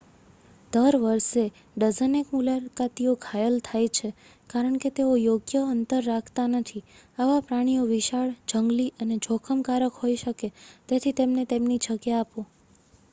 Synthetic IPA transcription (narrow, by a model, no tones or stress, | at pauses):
d̪̥əɾʋəɾʃe | ɖəd͡ʒənekmulakat̪ioɡʰʱajəlt̪ʰajt͡ʃʰe | kaɾəɳ̃ket̪eojoɡjəənt̪əɾːakʰt̪anət̪ʰi | aʋapɾaɽ̃ijoʋiʃaɭd͡ʒəŋɡliʔəned͡ʒʱokʰəmkaɾəkɦojiʃəket̪et̪ʰit̪emnet̪emnid͡ʒəkjaːpo